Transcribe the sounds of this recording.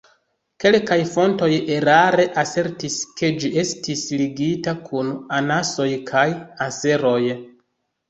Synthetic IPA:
ke̞lkajfo̞nto̞je̞ɾaɾe̞ʔase̞ɾtiske̞d͡ʒiʔe̞stisliɡitakʰunanaso̞jkʰajase̞ɾo̞j

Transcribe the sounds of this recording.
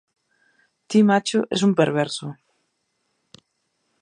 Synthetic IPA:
t̪imat͡ʃʊʔḛs̬umpeɾβ̞ɛɾsʊ

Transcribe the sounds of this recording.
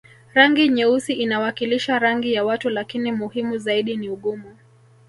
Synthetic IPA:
ɾaŋɡiɲɛusiʔinawakiliʃaɾaŋɡijawatulakinimuhimuzaiɗiniuɠumu

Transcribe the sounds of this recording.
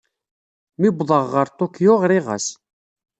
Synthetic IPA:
mibðˤəʁːəɾt̪ˤokjoʁɾɪʁa̰s

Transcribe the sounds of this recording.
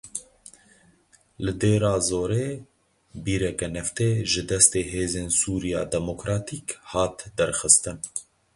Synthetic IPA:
lɨd̪eːɾɑːzoːɾeː | biːɾɛkɛnɛft̪eːʒɪd̪ɛst̪eːɦeːzeːnsuːɾijɑ̰ːd̪ɛmokɾɑːt̪iːkhɑːt̪d̪ɛɾxɨst̪ɨn

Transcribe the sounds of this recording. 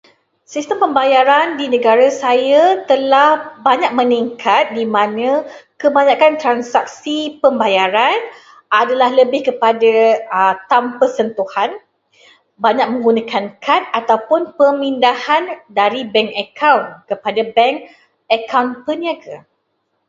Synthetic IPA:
sist̪əmpəmbajaɾandinə̃ɡaɾasajat̪əlahbaɲak̚mə̃niŋkʰat̪̚dimãnə̃kəbaɲãkant̪ɾansak̚sipəmbajaɾan | ʔadalahləbɪhkəpadat̪ampərsənt̪uhan | baɲak̚mə̃ŋɡunakʰankʰanat̪awpʊnpəmindahandaɾibɛŋkəkawnkəpadabɛŋk | əkawnpəniaɡə

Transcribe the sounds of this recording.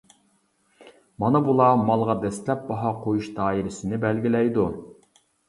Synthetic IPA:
mɑnɑbulˠɑmɑlˠʁɑd̪ɛst̪lɛp̚bɑɦɑqʰojuʃd̪ɑːiɾɪsɪnɪbɛlɡʲilɛjd̪u

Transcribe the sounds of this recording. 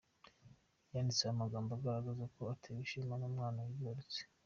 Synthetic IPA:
jaːndit͡seamaɡaːmboaɡaɾaɡazako̞atʰeβiʃimanumŋaːnawiboɾet͡se̥

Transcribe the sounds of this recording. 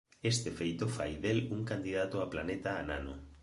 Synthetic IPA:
est̪efejt̪ofajðeluŋkand̪iðat̪oaplanet̪aːna̰no̰

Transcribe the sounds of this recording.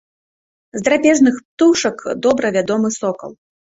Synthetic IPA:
zd̪ɾapʲɛʐnɨxpt̪uʂɐkd̪ɔbɾɐvʲad̪ɔmɨsɔkɐ̰lˠ

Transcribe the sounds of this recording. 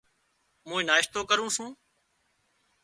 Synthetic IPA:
mũːĩːnaːɪʃt̪oːkəɾũːsũː

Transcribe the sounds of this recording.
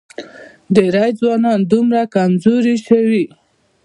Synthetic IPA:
d̪əɾajd͡zwɑnɑnd̪umɾakamzoɾiʃawi

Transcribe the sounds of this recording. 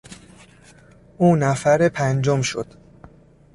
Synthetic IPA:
ʔuːnæfæɾepʰænd͡ʒomʃo̰d̪̥

